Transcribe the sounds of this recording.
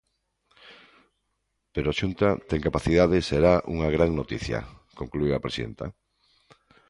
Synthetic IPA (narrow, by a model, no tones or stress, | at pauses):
peɾoaʃunt̪at̪eŋkapaθiðaðɪseɾaʔṵŋaɣɾaŋnot̪iθjɐ̰koŋklueapɾesiðḛnt̪a̰